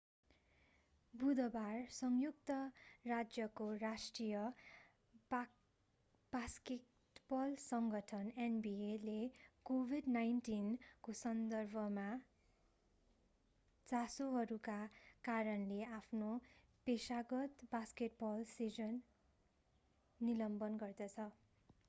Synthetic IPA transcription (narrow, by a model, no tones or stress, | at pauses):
bud̪ʌbarsʌŋjuk̚t̪ʌrad͡zjʌkorasʈrijʌ | b̥aske | ʈbʌlsʌŋɡʌʈʰʌnenbielekobʱidnajnʈinkosʌnd̪ʌrbʱʌma | t͡sasoɦʌɾukakaɾʌnleapʰno | pesaɡʌt̪baskeʈ̚bʌlsid͡zʌn | ilʌmbʌnɡʌrd̪ʌt͡sʰʌ